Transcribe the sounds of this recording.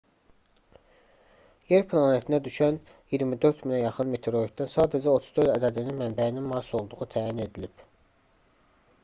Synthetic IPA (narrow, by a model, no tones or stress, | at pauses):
je̞ɾpʰlˠɑnet̪ʰinæd̪yʃæn | jiɾmid̪ø̞ɾt̪minæjɑχɯnme̞t̪ʰeɾo̞ik̪̚d̪ænsɑːd̪æd͡ʒæot̪ʰuzd̪øɾd̪æd̪æd̪ininmæmbæininmɑɾso̞lˠd̪uʁut̪ʰæːjine̞d̪ilib̥